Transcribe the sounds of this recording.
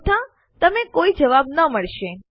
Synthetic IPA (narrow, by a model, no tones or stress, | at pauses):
t̪ʰã | t̪əmekoid͡ʒəʋab̚nəməɭʃe